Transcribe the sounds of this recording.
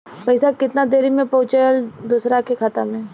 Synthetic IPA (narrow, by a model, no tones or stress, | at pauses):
pɐɪsakɪt̪nad̪eːɾimẽpɐɦʊt͡ʃaəld̪uːsɾakekʰat̪amẽ